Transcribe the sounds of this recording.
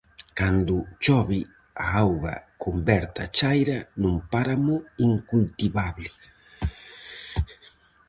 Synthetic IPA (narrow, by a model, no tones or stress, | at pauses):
kand̪ʊt͡ʃoβi | aawɣa̰kʰumbɛɾt̪at͡ʃajɾanũmpaɾamʊiŋkult̪iβaβlɪ